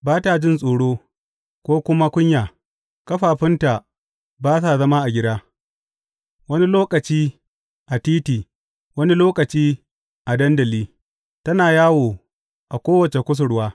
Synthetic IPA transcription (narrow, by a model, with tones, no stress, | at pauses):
baː˦ta˨d͡ʒɪ˦nsʼoː˨ɽoː˦ | kʷoː˦kʷʊ˦ma˦kʷʊ˦ɲjaː˨ | kɐ˦ɸaː˨ɸɪ˦nta˨ | baː˦s̬a˨zɐ˦ma˦ʔa˨ɡʲɪ˦daː˦ | wɐ˦ni˦loː˦kʼɐ˨t͡ʃiː˦ | ʔa˨tiː˦tiː˨ | wɐ˦ni˦loː˦kʼɐ˨t͡ʃiː˦ | ʔa˨dɐ˦ndɐ˨liː˦ | tɐ˦naː˨jaː˦woː˨ | ʔa˨kʷoː˦wɐ˨t͡ʃe˨kʷʊ˦s̬ʊ˨ɽwaː˦